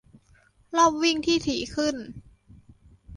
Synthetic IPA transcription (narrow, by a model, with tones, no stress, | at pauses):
lɔː˥˩p̚wi˥˩ŋt̪ʰiː˥˩t̪ʰiː˨˩˦kʰɯ˥˩n